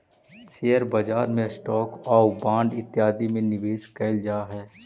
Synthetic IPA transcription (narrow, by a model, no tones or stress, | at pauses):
seːəɾbɐd͡ʒaːɾmẽsʈɔːkɔːbãːɳɖɪt̪ːjaːd̪imẽnɪʋeːʃkɐɪld͡ʒaːɦɛː